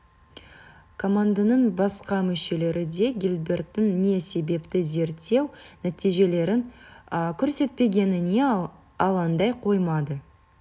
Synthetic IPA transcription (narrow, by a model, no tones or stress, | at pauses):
kʰo̞mand̪anəɴbɑsqɑmʏʃe̞le̞ɾɪd̪e̞ɡʲilʲbe̞rt̪ːɪnːe̞se̞be̞pt̪ɪze̞ɾt̪ːe̞wnæt̪ijʒe̞le̞ɾɪnkʲʰɵɾse̞t̪̚pe̞ɡʲe̞nɪne̞ | ɑlˠɑnd̪ɑjqʰo̞jmɑd̪ə